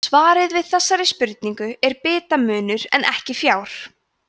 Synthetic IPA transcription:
svaːɾɪðvɪðθɛsːaɾɪspʏɾt̪̚niŋkʏɛɾpɪːt̪amʏːnʏɾɛ̰nʔɛhcɪfjaːwɾ̥

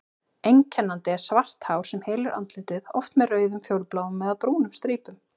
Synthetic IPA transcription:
ejɲcʰɛnːant̪ɪɛ̥svar̥t̪hawɾ̥sɛmheːjlʏɾʔa̰nt̪lɪt̪ɪðɔ̰ft̪mɛðrœːɥðʏmfjoːwlplaːwʏmːɛðaðpɾuːnʏmst̪ɾiːpʏm

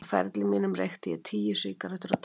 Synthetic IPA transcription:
fɛ̰ɾt̪lɪmɪːnʏmrext̪ɪjɛ̰t̪ʰiːjʏsɪːkaɾœht̪ʏɾat̪

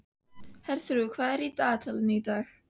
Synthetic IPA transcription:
hɛrθrukʰvaɾidaːtʰalˠənidax

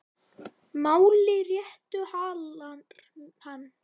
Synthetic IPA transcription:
maːwlɪrjɛht̪ʏhaːlan | hanː

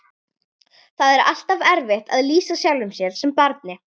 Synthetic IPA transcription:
θaðɛɾa̰l̥t̪avɛɾvɪht̪aðliːsasjawlʏmsjɛɾ̥sɛmpaɾt̪̚nɪ

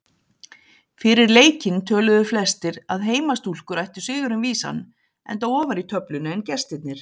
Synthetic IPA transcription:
fɪɾɪɾleːjcɪnt̪ʰœːlʏðʏflɛst̪ɪɾaðɦeːjmast̪ul̥kʏɾajht̪ʏ̥sɪːɣʏɾʏnviːsa̰n | ɛ̰nt̪̬awɔːvaɾit̪ʰœplʏnʏɛncɛ̥st̪ɪt̪nɪɾ̥

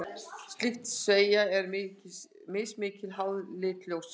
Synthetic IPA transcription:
st̪lɪxt̪sveːjaɛɾmɪcɪ | mɪːsmɪːcɪlɦawðlɪːt̪ljows

